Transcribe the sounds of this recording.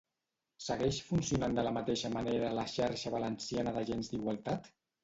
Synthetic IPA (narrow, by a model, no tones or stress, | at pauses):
səɣɛʃfunsiunand̪ələmət̪eʃəmaneɾələʃaɾʃəβələnsianəðəʒenzd̪iɣwalˠt̪at̪